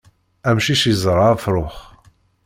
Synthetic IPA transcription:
æmʃiʃjzˤɾˤɑfɾˤʊχ

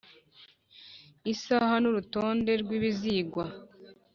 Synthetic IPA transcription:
isaːhanuɾuto̞ːnde̞ɾɡwiːβiziːɡwa

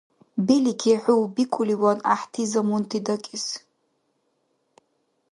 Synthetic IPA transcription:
bilikʲʰiħʷʊwbikʷʼʊliwana̰ħtʰizamuntʰidakʲʼɪs

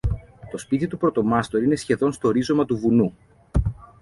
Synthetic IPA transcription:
t̪o̞spit̪it̪upɾo̞t̪o̞mɐst̪o̞ɾine̞sçe̞ðo̞nst̪o̞ːɾizo̞mɐt̪uvunu

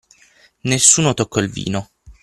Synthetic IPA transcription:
nesːuːnot̪okʰːɔilvḭːno

